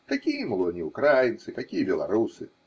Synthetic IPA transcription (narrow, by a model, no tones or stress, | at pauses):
k̪akʲijɐmlˠɔnʲiukɾajint̪sɨk̪akʲijɐbʲɛlˠa̰ɾusɨ